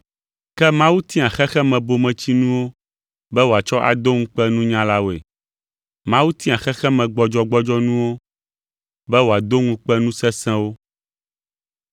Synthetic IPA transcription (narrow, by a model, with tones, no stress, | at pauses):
kɛ˦mã˦wu˦t̪ĩ˦a˨xɛ˦xɛ˦mɛ̃˨bo˨mɛ̃˨t͡ɕi˦nũ˦wo˦ | bɛ˦wo˨a˨t͡ʃɔ˦ʔa̰˨d̪o˦ŋũ˦k͡pɛ˦nũ˦ɲã˦la˦wo˨ḛ˨ | mã˦wu˦t̪ĩ˦a˨xɛ˦xɛ˦mɛ̃˨ɡ͡bɔ˦d͡ʒɔ˦ɡ͡bɔ˦d͡ʒɔ˦nũ˦wo˦ | bɛ˦wo˨a˨d̪o˦ŋũ˦k͡pɛ˦nũ˦sɛ̃˦sɛ̃˦wo˦